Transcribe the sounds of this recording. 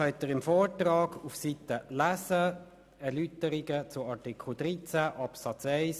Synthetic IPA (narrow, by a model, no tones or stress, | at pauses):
œnt̪ːəɾɪmfɔːɹtɾɑːɡ̥ufsit̪əlæsə | ɛɾlyt̪əɾiɡət͡sʊɑɹtikʰl̩d̥̪ʁit͡sæʔɑpsɑt͡sɛɪs